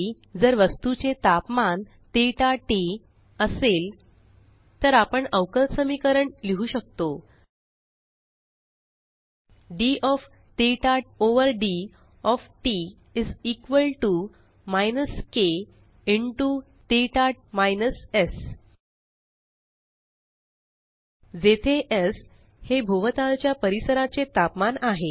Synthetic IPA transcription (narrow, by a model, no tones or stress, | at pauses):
d͡zəɾʋəst̪ut͡ɕet̪apman | t̪eʈaʈe | əsel | t̪əɾapəɳəʋkəlsəmikəɾəɳliɦuːɕək̚t̪o | ɖiʔɔf | t̪eʈaʈoʋəɾɖi | ɔfʈi | id͡zikʋəlʈu | majnəske | iɳʈu | t̪eʈaʈ̚majnəses | d͡zet̪ʰeʔəs | hebʱoʋət̪alt͡ɕjapəɾisəɾat͡set̪apmanaɦe